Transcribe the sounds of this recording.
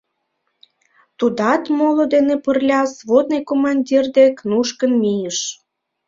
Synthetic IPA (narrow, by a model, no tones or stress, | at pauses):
t̪ud̪ɑt̪molod̪enepərlʲɑsβod̪nɤjkomɑnʲdʲird̪eknuʃkənmijəʃ